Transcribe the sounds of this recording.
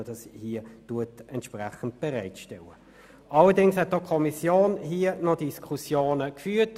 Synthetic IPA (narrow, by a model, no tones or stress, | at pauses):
əd̥ɑshiːətuətɛntʃpʁɛχən̩tb̥ɛʁæɪtʃtɛlə | ʔɑlədɪŋshɛt̚d̥okʰɔmisjoːnhiənɔdiskʰusjoːnəkfyːt